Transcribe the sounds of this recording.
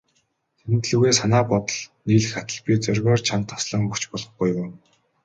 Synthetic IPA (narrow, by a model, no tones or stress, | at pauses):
t̪ʰenɘ̆t̪ɮŭːɣeːsanaːpɔt̪ə̆ɮniːɮɘxat̪ə̆ɮpʲit͡sœrʲɣʲɔːrt͡ɕʰant̪ʰːḁsɮə̆ŋɵkt͡ɕpɔɮɞ̆χɡujʊː